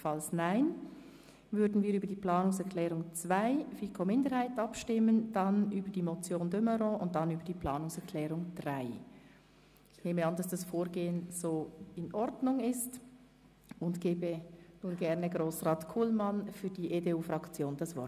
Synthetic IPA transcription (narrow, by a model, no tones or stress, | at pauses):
fɑlsnaɪn | vʏɐɾdn̩viːɐyːbədiːpl̥ɑːnʊŋsɛʁkʰlɛːʁʊŋt͡sv̥aɪfiːkʰomɪndəhaɪtɑpʃtɪmənd̥ɑnʔyːbədiːmot͡sjoːndøməɾɔ̃ʊnt̚d̥ɑnyːbəd̥iːpʰl̥ɑːnʊŋsɛkʰlɛːʁʊŋd̥ʁaɪ | ɪçneːməɑndɑsd̥ɑsfoːɾɡeːənz̥oːɪnʔɔɾdnʊŋɪst | ʊntɡ̥eːbənuːnɡɛʁnəɡʁoːsʁɑːtkʰuːlmɑnfyːɐdiːʔedeːuːfʁɑkt͡sjoːndɑsv̥ɔ̰